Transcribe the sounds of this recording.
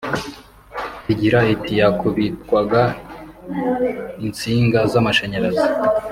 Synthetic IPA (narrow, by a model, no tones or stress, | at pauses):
tiɟiɾaitʰijakʰuβitkwaɡa | int͡siːŋɡazamaʃaɲaɾazi